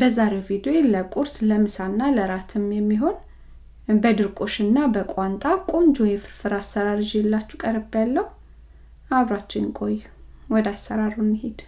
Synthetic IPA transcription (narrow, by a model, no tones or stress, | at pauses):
bəzaɾewvid̪oeləkʼuɾsləmɨsanːaləɾat̪ʰɨmjɛmːiɦo̞n | bəd̪ɨɾkʼo̞ʃɨnːabəkʷʼwant̪ʼakʼumd͡ʒojɛfɨɾfɨɾasːəɾaɾɨd͡ʒjelːat͡ʃːukʼəɾɨbjalːəhu | aβɾat͡ʃːɪnnkʼojː | wɔd̪asːəɾaɾunːɨhed̪̥